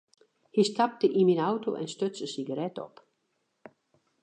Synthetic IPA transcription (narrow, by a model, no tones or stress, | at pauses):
histʰap̚təʔiminawto̰ʔɛ̰nstøt͡səsiɡəɾɛtɔ̰p